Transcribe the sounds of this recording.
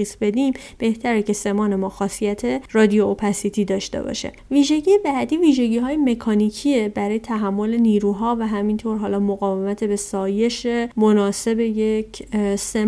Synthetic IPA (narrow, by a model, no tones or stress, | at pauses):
iːsbe̞d̪im | b̥e̞ht̪ʰæɾece̞se̞mɒːne̞mɒːxɒːsijæt̪ʰerɒːd̪ijoopʰæsit̪ʰiːd̪ɒːʃt̪e̞̰bɒ̰ʃḛviːʒe̞ɟiːjebæd̪iːviːʒe̞ɟiːɦɒːjeme̞kʰɒːnicʰiebæɾɒːjet̪ʰæɦæmːo̞le̞niːɾuːɦɒːvæɦæmint̪ʰoɾɦɒːlɒːmoɣɒːve̞mæt̪ʰebe̞sɒːje̞ʃemonɒːse̞be̞jecʰse